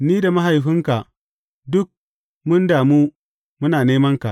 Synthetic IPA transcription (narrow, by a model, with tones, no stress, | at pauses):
niː˦da˨ma˦ɦa˨jɦɪ˦ŋka˨ʔ | dʊ˦k̚ | mʊ˦ndaː˨mu˦ | mʊ˦naː˨neː˦mɐ˦ŋka˨ʔ